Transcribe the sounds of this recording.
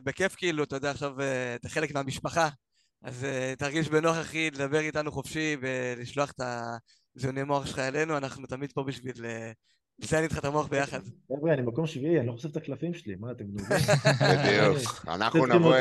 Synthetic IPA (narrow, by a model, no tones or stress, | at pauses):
beke̞fkiiluatajodeaχʃaveːt̪aχe̞le̞kmeamiʃpaχa | azetaʁɡiʃbenoaχaχiled̪abe̞ʁitanuχofʃive̞liʃlo̞aχet̪a | zionemo̞aχʃelχaele̞nuanaχnut̪amid̪̚po̞biʃvile | zeanitχatamo̞aχbejaχadevʁianimakomʃviianiloχoseft̪aklafimʃelimaːt̪emd̪bid̪iuka̰na̰χnunm